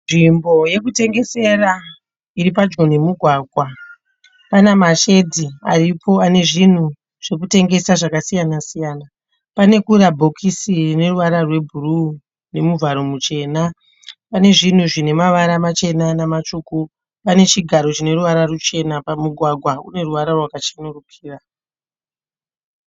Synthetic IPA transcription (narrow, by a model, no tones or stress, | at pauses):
nʐimbo̞je̞k̬ute̞ŋɡe̞se̞ɾa | iɾipad͡ʒon̤imuɡʱwaːɡʱwa | panamaʃe̞dʱiaripo̞ane̞ʐin̤u | ʐ̥e̞kute̞ŋɡe̞saʐakasijanasijaːna | pane̞kuɾabʱo̞kʰisirine̞ruʋaɾarwe̞bʱuru | ne̞muvʱaɾo̞mut͡ʃe̞ːna | pane̞ʐin̤uʐine̞maʋaɾamat͡ʃe̞nanamat͡ʃuku | pane̞t͡ʃiɡʱaɾo̞t͡ʃine̞ruʋaɾarut͡ʃe̞napamuɡʱwaɡʱwaune̞ruʋaɾarwakat͡ʃinurukʰiːra